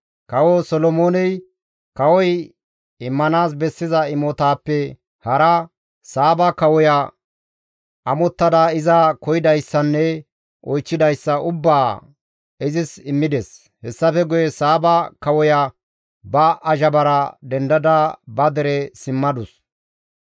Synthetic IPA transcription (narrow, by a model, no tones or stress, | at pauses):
kɐwɔsɔlɔmoːnɛj | kɐwɔj | ɪmːɐnaːs̬bɛsːɪzɐɪmɔt̪aːpːɛ | hɐɾɐ | saːbɐkɐwɔjɐ | ɐmɔt̪ːɐd̪aɪzɐkɔjɪd̪ɐjsːɐnːɛ | ɔjt͡ʃːɪd̪ɐjsːɐʊbːaː | ɪzɪsɪmːɪd̪ɛs | hɛsːɐfɛɡʊjɛsaːbɐkɐwɔjɐ | bɐʔɐʒɐbɐɾɐd̪ɛnd̪ɐd̪ɐbɐd̪ɛɾɛsɪmːɐd̪ʊs